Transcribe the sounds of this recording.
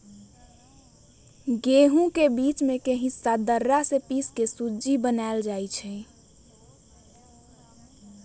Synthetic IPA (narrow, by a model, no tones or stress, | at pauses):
ɡeɦũkebit͡ʃmekeɦĩsad̪əɾːasepiskesud͡ʒibənaeld͡ʒajt͡ʃʰɛ